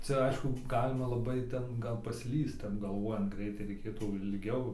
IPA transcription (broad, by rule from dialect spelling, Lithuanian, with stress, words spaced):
ˈt͡sʲɛ ˈɐɪʃkʊ ˈɡɑːlʲɪmɐ lˠɐˈbɐɪ ˈtʲɛn ˈɡɐlˠ pɐˈsʲlʲiːst ˈtʲɛp ɡɐlˠˈʋoːjɛnt ˈɡrʲɛɪtɐɪ rʲɛɪˈkʲeːtuː ɪlʲˈɡʲɛʊ